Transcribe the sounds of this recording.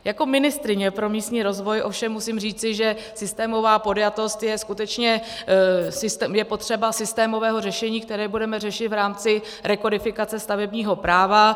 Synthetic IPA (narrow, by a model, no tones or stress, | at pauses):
jako̞mɪnɪst̪ɾɪɲɛpɾo̞miːst̪ɲiːɾo̞zvo̞jʔo̞fʃɛmːusiːmriːt͡sɪʒɛ | sɪst̪ɛːmo̞vaːpo̞djat̪o̞st̪jɛskut̪ɛt͡ʃɲɛ | sɪjɛpo̞t̪r̝̥ɛbasɪst̪ɛːmo̞vɛːɦo̞rɛʃɛɲiːkt̪ɛɾɛːbudɛmɛrɛʃɪt̪vɾaːmt͡sɪ | ɾɛkodɪfɪkat͡sɛst̪avɛbɲiːɦo̞pɾaːva